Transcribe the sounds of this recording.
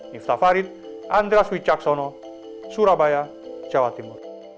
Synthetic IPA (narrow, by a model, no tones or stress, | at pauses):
nift̪afaɾit̪̚ | and̪ɾeaswit͡ʃaksɔnɔ | suɾabaja | t͡ʃawat̪imur